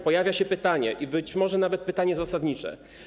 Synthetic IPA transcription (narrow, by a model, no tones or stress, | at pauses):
pɔjavʲjaɕɛpɘt̪aɲɛʔibɘt͡ɕmɔʐɛnavɛt̪̚pɘt̪aɲɛzasad̪ɲit͡ʂɛ̰